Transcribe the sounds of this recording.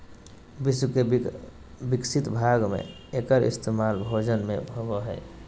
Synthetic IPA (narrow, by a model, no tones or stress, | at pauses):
bɪswke | bɪksɪt̪bʱaːɡmḛ̃ | ekəɾɪ̰st̪emaːlbʱoːd͡ʒənmḛ̃bʱoboɦɛ̰ː